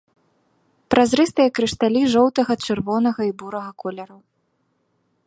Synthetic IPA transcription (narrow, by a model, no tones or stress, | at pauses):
pɾʔazɾɛst̪ɨjɐkɾɨʂt̪alʲiʐɔwt̪ɐɣɐt͡ʂɨrvɔnɐɣɐibuɾɐɣɐkɔlʲɐɾɐw